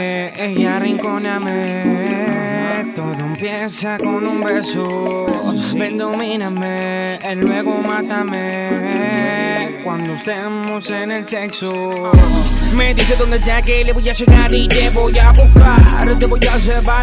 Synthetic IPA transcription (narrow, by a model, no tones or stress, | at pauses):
ejariŋkoname | t̪oðompje | sakonumbeso | bend̪ominameːlweɣomãt̪ame | kwand̪oest̪e | mosenelsekso | med̪ised̪õnd̪ed͡ʒakeleβojaʃeɣaɾid͡ʒeβojaβoka̰ɾt̪eboʝas̬epa